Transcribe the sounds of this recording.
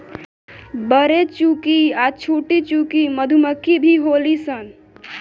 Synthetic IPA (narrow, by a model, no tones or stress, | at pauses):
bəɾet͡ʃukiat͡ʃʰuʈit͡ʃukiməd̪ʱuməkibʱiɦolisən